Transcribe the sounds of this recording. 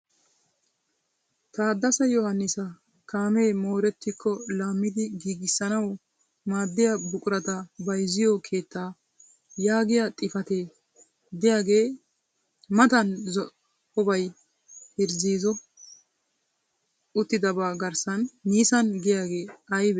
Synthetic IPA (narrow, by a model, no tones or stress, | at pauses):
t̪aːd̪ːɐsɐjɔhɐnːɪsɐ | kaːme̞ːmo̞ːɾɛt̪ːɪkʰːɔlaːmːɪd̪ɪɡiːɡɪsːɐnɐw | maːd̪ːɪjɐbʊkʼʊɾɐt̪ɐbɐjzɪjɔkʰe̞ːt̪ːaː | jaːɡɪjɐt̪ʼɪfɐt̪e̞ː | d̪ɪjaːɡe̞ː | mɐt̪ɐnz | hɔbɐj | hɪɾziːzɔ | ʊt̪ːɪd̪ɐbaːɡɐɾsɐnːiːsɐnɡɪjaːɡe̞ːɐjbɛ